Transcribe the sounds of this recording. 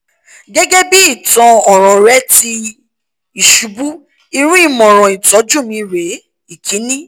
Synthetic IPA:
ɡɛ˦ɡɛ˦bi˦i˦˨tɔ̃˧ɔ˨ɾ̃ɔ̃˨ɾɛ˨˦ti˧ | i˨ʃu˨˦bu˦ | i˧ɾ̃ũ˦i˦˨mɔ̃˨ɾ̃ɔ̃˨i˨tɔ˨˦d͡ʒu˦˨mĩ˧ɾe˨˦ | i˨kʰĩ˨˦nĩ˦

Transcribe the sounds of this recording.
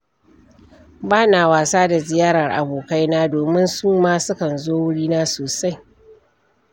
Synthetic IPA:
baː˦naː˨waː˨saː˦da˨zɪ˨jaː˦ɾɐ˨rʔa̰˨boː˨ka˦jnaː˦doː˨mɪ˦nsuː˦maː˦sʊ˦kɐ˨nzoː˦wʊ˦ɽiː˦naː˦soː˨sa˦j

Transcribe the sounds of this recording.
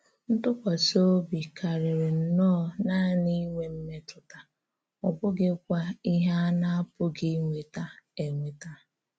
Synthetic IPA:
n̩˦tʊ˦kʷa˨so˦bi˨ka˨ɾɪ˨ɾɪ˨n̩˨nɔ˦˨na˦ni˦ŋʷe˦m̩˦me˦tʊ˨ta˨ | ɔ˨bʊ˦ɡɪ˦kʷa˦i˦ɦa˦na˦a˦pʊ˦ɡɪ˦ŋʷe˨ta˦e˨ŋʷe˨ta˦

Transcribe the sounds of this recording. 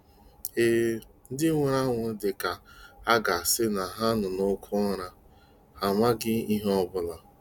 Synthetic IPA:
e˦n̩˦dɪ˦ŋʷe˨ɾa˦ŋʷʊ˨˦dɪ˨ka˨a˦ɡa˨sɪ˦na˨ɦa˦nʊ˨no˦kʰʊ˦ɔ˦ɾa˦ | ha˨ma˦ɡɪ˦i˦ɦɔ˦bʊ˨la˨

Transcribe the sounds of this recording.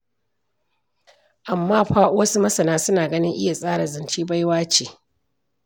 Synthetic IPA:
ʔa˨mːaː˦ɸaː˦ʔʊ˦wɐ˦su˦mɐ˦sɐ˨naː˦sʊ˦naː˨ɡɐ˦nɪ˦ŋʔɪ˦ja˨sʼaː˦ɽa˨zɪ˨nt͡ʃiː˦ba˦jwaː˦t͡ʃeː˨

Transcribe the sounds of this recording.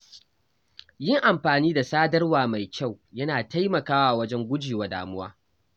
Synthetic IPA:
jɪ˦ŋʔa˨mɸaː˨niː˦da˨saː˦dɐ˦rwaː˨ma˨jkʲa˦˨wjɐ˦naː˨ta˦jmɐ˨kaː˦waː˦˨wɐ˦d͡ʒɛ˦ŋɡʷʊ˦d͡ʒiː˨wa˨da̰ː˨mʊ˦waː˦

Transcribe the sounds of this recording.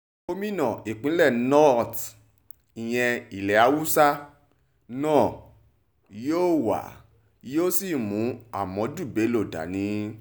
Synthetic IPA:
o˦mĩ˦nã˨i˨k͡pĩ˨˦lɛ˦˨nɔ˦t | i˨j̃ɛ̃˧i˨lɛ˨a˧˦wu˦sa˦ | nãː˦˨ | joː˦wa̰˨ | joː˦si˦˨mũ˨˦a˦˨mɔ̃˨˦d͡ʒu˦˨be˨˦lo˦˨da̰˨nĩ˨˦

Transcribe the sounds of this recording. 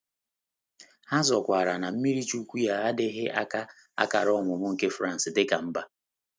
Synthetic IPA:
ha˦zɔ˨kʷa˨ɾa˨na˨m̩˦mi˦ɾi˦t͡ʃu˦kʷu˦ja˦a˦dɪ˦ɦɪ˦ʔa̰˦ka˦ | a̰˦ka˨ɾɔ˦˨mʊ˨mʊ˦ŋ̩˦˨ke˦fɾa˦n̩˨sɪ˨dɪ˦ka˨m̩˦ba˨

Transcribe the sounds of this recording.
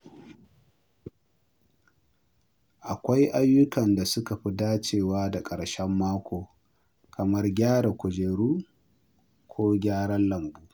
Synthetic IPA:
ʔa˨kʷa˦jʔa˦jːʊ˦kɐ˨nda˨sʊ˦ka˨ɸi˦daː˦t͡ʃeː˨waː˦da˨kʼɐ˨ɽʃɛ˦mːaː˦kʷoː˨ | kɐ˨mɐ˦rɡʲaː˦ɽa˨kʷʊ˨d͡ʒeː˨ɽuː˦ | kʷʰoː˦ɡʲaː˦ɽɐ˦nlɐ˨mbuː˦

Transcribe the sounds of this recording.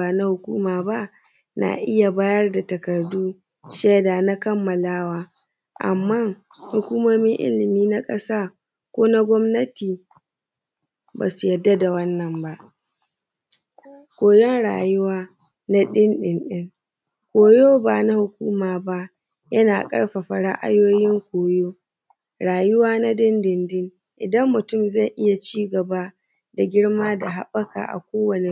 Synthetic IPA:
a˨na˦hʊ˨kʷuː˦maː˨ba˦ʔ | na̰ː˨ʔɪ˦ja˨baː˦jɐ˦rda˨tɐ˨kɐ˨rduː˦ | ʃeː˦da˨na˦kɐ˦mːɐ˨laː˦waː˦ | ʔa̰˨mːaː˦˨ŋhʊ˨kʷuː˦moː˦mɪ˦ŋʔɪ̰˦lɪ˨miː˦na˦kʼɐ˦saː˦ | kʷoː˦na˦ɡʷɔ˦mnɐ˦tiː˨ | ba̰ː˨su̥˨jɛ˨dːa˦da˨wɐ˦nːɐ˨mba˦ʔ | kʷoː˨jɔ˦nɽa̰ː˨jʊ˦waː˦ | na˦ɗɪ˦nɗɪ˨nɗɪ˦ŋ | kʷoː˨joː˦ba˨na˦hʊ˨kʷuː˦maː˨ba˦ʔ | jɐ˦naː˨kʼɐ̰˦ɽɸa˨ɸɐ˨ɽa̰˦ʔa̰˦joː˦jɪ˦ŋkʷoː˨joː˦ | ɽaː˨jʊ˦waː˦na˦ɗɪ˦ndɪ˨ndɪ˦ŋ | ʔɪ˨dɐ˦mːʊ˨tʊ˦˨mza˦˨jʔɪ˦ja˨t͡ʃiː˦ɡɐ˨ba˦ | da˨ɡʲɪ˦ɽmaː˦da˨ɦa˦ɓɐ˦ka̰ː˨ʔa̰˨kʷoː˦wɐ˨ne˦

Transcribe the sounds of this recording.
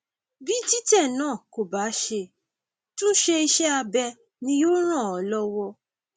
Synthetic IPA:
bi˦ti˦tɛ˦˨nãː˦˨ko˨ba˨˦ʃe˧ | tũ˦ʃe˧i˧ʃɛ˦a˧bɛ˧ | nĩ˧˦jo˦ɾ̃ã˦˨ɔ˨˦lɔ˦wɔ˧

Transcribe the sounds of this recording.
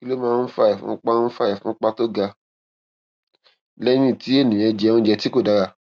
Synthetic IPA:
ki˦lo˦mãː˦˧˦n̩˦fa˧ɛ˨fṵ̃˨˦k͡pa˦n̩˦fa˧ɛ˨fũ˨˦k͡pa˦to˦ɡa˧ | lɛ˦mĩ˦˨ti˨˦e˦˨nĩ˨ɛ̃˧d͡ʒɛ˧˦ũ˦d͡ʒɛ˧ti˦ko˦˨da˨˦ɾa˧

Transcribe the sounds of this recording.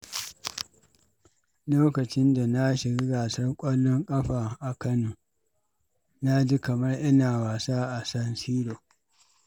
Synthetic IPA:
loː˦kɐ˨t͡ʃɪ˦nda˨na˦ʃɪ˨ɡi˦ɡaː˨sɐ˦rkʷʼɐ˦lːɔ˦ŋkʼɐ˦ɸaː˨ʔa˨kɐ˦noː˨ | na˦d͡ʒi˦kɐ˨mɐ˦rʔɪ˦naː˨waː˨saː˦ʔa˨sɐ˦nsiː˦ɽoː˨

